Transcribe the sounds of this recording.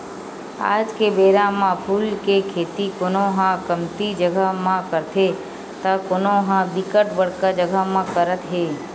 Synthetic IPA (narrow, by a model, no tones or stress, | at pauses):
a̰ːd͡ʒkebeːɾãmãpʰuːlkekʰeːt̪ikoːnõɦãkəmt̪id͡ʒəɡʱamãkəɾt̪ʰe | t̪akoːnõɦãbɪkəʈbəɽkad͡ʒəɡʱamãkəɾət̪ɦeː